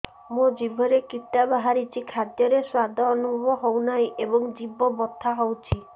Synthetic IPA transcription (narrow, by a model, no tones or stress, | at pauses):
mud͡ʒibʱɔɾekiʈabaɦaɾit͡ʃʰikʰad̪jɔɾeswad̪ʱɔːnubʱɔbɔɦownajʔebɔŋd͡ʒibɔbɔt̪ʰːaɦɔwt͡ʃʰi